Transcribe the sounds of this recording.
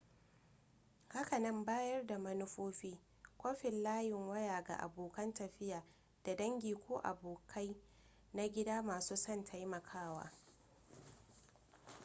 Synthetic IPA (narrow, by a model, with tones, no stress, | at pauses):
ha˦ka˨nɐ˦mbaː˦jɐ˦rda˨mɐ˦nʊ˦ɸoː˦ɸiː˦ | kʷoː˦ɸɪ˨nlaː˦jɪ˨ŋwɐ˦jaː˨ɡa̰˨ʔa̰˨boː˨kɐ˦ntɐ˨ɸɪ˦jaː˨ | d̥a˨dɐ˦ŋɡʲiː˨kʷoː˦ʔa̰˨boː˨kʰa˦j | na˦ɡʲɪ˦daː˦maː˨suː˦sɐ˦˨ntʰa˦jmɐ˨kʰaː˦˨wa̰ː˦